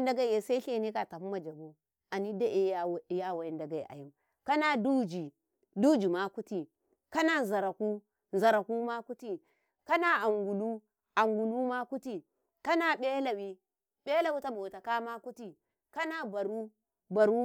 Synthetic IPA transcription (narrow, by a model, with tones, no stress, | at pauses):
n˦da˦ɡa˦i˨je˨sa˦ɬe˦ne˦ka˨ta˨pu˦ma˨d͡ʒa˨ɡu˦ | a˨ni˦da˦ʔe˦˨˦ja˦˨wa˨ji˦nda˨ɡa˨i˨a̰˨ju˦ | ka˦na˦du˦d͡ʒi˨ | du˦d͡ʒi˨ma˦ku˦ti˨ | ka˦na˦nza˨ɾa˨ku˦ | n˨za˨ɾa˨ku˦ma˦ku˦ti˦˨ | ka˦na˦a˨ŋɡu˨lu˦ | a˨ŋɡu˨lu˦ma˦ku˦ti˦ | ka˦na˦ɓe˦la˨wi˦ | ɓe˦la˨wi˦ta˦bo˨ta˨ka˦ma˦ku˦ti˨ | ka˦na˦ba˨ɾu˦ | ba˨ɾu˦